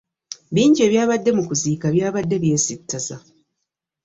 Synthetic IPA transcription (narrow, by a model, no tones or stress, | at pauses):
βiːɲɟie̞ːβjaːβadːe̞mukuziːkaβjaːβadːe̞βje̞ːsitʰːaza